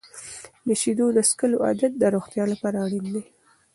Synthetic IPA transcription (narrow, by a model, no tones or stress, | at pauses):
d̪əʃid̪od̪əskəloa̰d̪at̪̚d̪əɾoxt̪jɑlapɑɾaɽind̪e